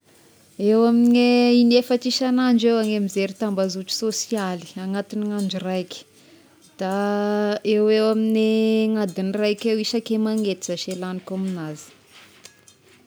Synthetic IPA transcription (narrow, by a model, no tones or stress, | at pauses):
ewamineinefat͡ʃiʃanaɳd͡ʒewaŋemizeɾit̪ambazut͡ʃi̥sosiali̥aŋat̪iniŋaɳd͡ʒurajki̥ | d̪̥a | ewewamineŋad̪inirajkʲewiʃakemaŋet̪izaʃelanikominazi̥